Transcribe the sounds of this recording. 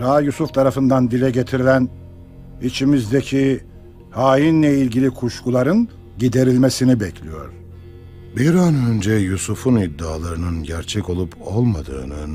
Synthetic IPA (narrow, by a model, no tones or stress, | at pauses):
ɾajusuft̪ʰaɾafɯnd̪and̪ilʲɛɟet̪ʰiɾilʲæn | it͡ʃʰimizd̪ecʰi | haːjinlʲɛilʲɟilʲikʰuʃkʰulˠaɾɯn | ɟid̪e̞ɾilʲme̞sinibɛcʰlʲijo̞̰ɾ̥ | biɾanø̞nd͡ʒɛjusufunid̪ːaːlˠaɾɯnɯnɟæɾt͡ʃʰɛco̞lˠupʰo̞̰lˠmad̪ɯ̰ːnɯ